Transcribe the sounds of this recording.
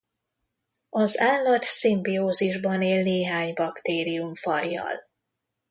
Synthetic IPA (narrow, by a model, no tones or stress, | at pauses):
ɒzaːlːɒt̪simbioːziʒbɒneːlneːɦaːɲbɒkt̪eːɾiuɱfɒrːɒ̰l